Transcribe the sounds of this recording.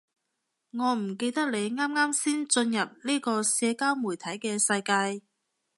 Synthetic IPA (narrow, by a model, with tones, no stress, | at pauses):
ŋɔː˨˧m̩˨˩ke˧jt̪ɐ˥k̚le˨˧jŋaː˥mŋaː˥msiː˥nt͡sɵ˧njɐ˨p̚niː˥kɔː˧sɛː˧kaː˥wmu˨˩jt̪ʰɐ˨˥jkɛː˧sɐ˧jkaː˧j